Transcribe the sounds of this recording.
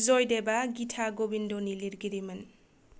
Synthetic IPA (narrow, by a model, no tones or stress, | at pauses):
zojdebaɡitʰaɡobindoniliɾɡiɾiman